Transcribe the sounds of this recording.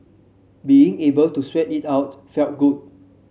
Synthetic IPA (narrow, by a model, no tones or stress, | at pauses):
biĩŋebəltuswɛtitaʊt̚fɛlt̚ɡud̚